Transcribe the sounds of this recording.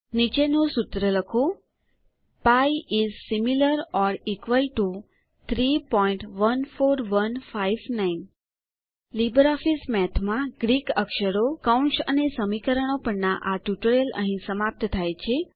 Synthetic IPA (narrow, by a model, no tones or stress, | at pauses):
nit͡ʃenosut̪ɾələkʰo | paiizsimiləɾɔɾikʋəlʈu | t̪ʰɾipɔiɳʈʋənfoɾʋənfajʋnain | libəɾɔfismɛt̪ʰmãɡɾikəkʃəɾokauɳʈsənesəmikəɾəɳ̃opəɳnaʔaʈjuʈəɾjələ̰ɦĩsəmap̚t̪t̪ʰajt͡ʃʰe